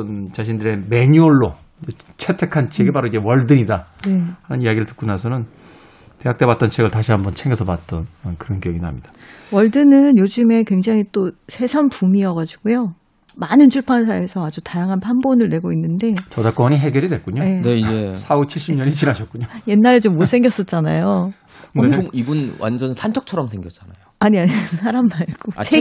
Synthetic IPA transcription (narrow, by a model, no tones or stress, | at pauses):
ʌnt͡ɕaɕ̬ʰindɯɾe̞me̞ɲuʌɭːo | id͡ʑe | t͡ɕʰe̞tʰe̞kʰant͡ɕʰeɡepaɾoid͡ʑe̞wʌɭdɯɲidanehanɯniaɡiɾɯɭtɯ̥k͈unasʰʌnɯn | te̞ɦak̚t͈e̞βwat͈̚ʌnt͡ɕʰe̞ɡɯɭtaɕʰiɦambʌnt͡ɕʰeŋɡʌsʰʌpat̚t͈ʌnʌkɯɾʌnkijʌɡinɦamɲid̥ḁ | wʌɭdɯnɯnjod͡ʑɯme̞kweŋd͡ʑaŋit͈osʰe̞sʰanpumiʌɡad͡ʑiɡ̥ujo | manɯnt͡ɕʰuɭpʰansʰaesʰʌad͡ʑutajaŋɦanpʰanbonɯɭːe̞ɡoinːɯnde̞t͡ɕʌd͡ʑak͈wʌɲiɦe̞ɡjʌɾidwek͈uɲoene̞id͡ʑesʰaut͡ɕʰiɭɕ͈imɲʌɲit͡ɕinaɕʰʌt̚k͈uɲoje̞nːaɾet͡ɕomːos͈ʰeŋɡjʌs͈ʌt̚t͡ɕ͈anajo | eoŋiɡunwa̰nd͡ʑʌnsʰant͡ɕʰʌk̚t͡ɕʰʌɾʌmsʰe̞ŋɡjʌt͡ɕ͈anajoaɲiaɲisʰaɾamːaɭɡ̥ot͡ɕʰe